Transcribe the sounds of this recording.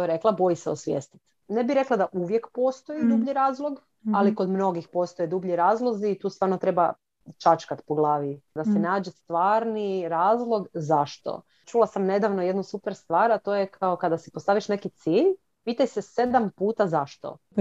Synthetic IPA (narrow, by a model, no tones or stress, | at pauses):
k̪oeɾeklˠabo̞jiseosʋjeːst̪i̥t̪ | nebiɾe̞klad̪aʔuʋje̞kpo̞ːst̪o̞jid̪ubʎiɾaːzlˠoɡ | alikod̪mno̞ɡixpost̪ojed̪ubʎiɾaːzlˠo̞ziːt̪uːst̪ʋaːɾnot̪ɾe̞ba | t͡ʃat͡ʃkat̪poɡlˠaːʋid̪asenaːd͡ʒest̪ʋaːɾniɾaːzlˠo̞ɡzaʃt̪o̰ | t͡ʃulˠasamne̞d̪aʋnoje̞d̪nusupeɾst̪ʋaːɾat̪o̞jekʰaokad̪asi̥post̪aːʋiʃne̞kit̪siːʎ | piːt̪ajsese̞d̪ampuːt̪azaʃt̪o̰